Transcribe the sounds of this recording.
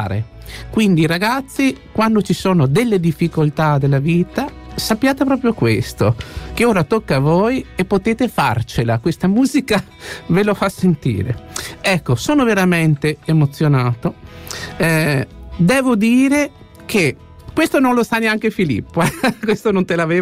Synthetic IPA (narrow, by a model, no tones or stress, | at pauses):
ɾḛ | kwind̪iːɾaɡat̪sːikwand̪ot͡ʃisoːnod̪elːed̪ifːikolt̪ad̪elːaviːt̪a | sapːjaːt̪epɾɔːpɾjokwest̪okeoːɾat̪okːavojepːot̪eːt̪efa̰rt͡ʃelakwest̪amuːzika | velofasːent̪ḭːɾḛɛkːosoːnoveɾament̪eemot̪sːjonaːt̪o | ɛd̪ɛːvod̪iːɾe | kʰe | kwest̪onõnlosaneaŋkefilḭpːoɛkwest̪onont̪elaveː